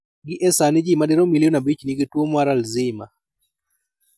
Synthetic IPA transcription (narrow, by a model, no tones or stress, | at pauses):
ɡɪʔɛsanɪd͡ʒimadɛɾomilionabit͡ʃniɡɪtwomwaɾalzɪma